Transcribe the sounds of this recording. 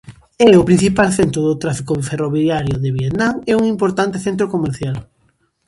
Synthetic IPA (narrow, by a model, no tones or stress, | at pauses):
ɛʊpɾin̟θipalθent̪ɾʊðʊt̪ɾafikʊferoβjaɾjʊðeβjet̪nãŋɛuŋimpoɾt̪ant̪ɪθent̪̬ɾokomeɾθjal